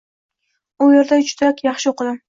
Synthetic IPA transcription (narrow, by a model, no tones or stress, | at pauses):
ʊje̞ɾd̪aʊt͡ʃʰt̪ʰakʲjɑχʃɪoqɨd̪ɪm